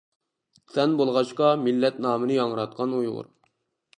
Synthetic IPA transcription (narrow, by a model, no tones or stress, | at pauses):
sɛnbolˠʁɑt͡ʃqɑmilːɛt̪nɑːmɨnɨjɑŋəɾɑt̪̚qʰɑnujʁʊ̰ɾ